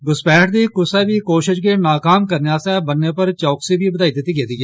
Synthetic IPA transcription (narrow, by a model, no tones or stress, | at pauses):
ɡʊspɛːʈd̪iːkʊsɛbʱiːkoːʃɪʃkinaːkaːmkəɾneaːsɛbənːepəɾt͡ʃɔːksibʱibəd̪aːid̪et̪iːɡeːd̪iːɛː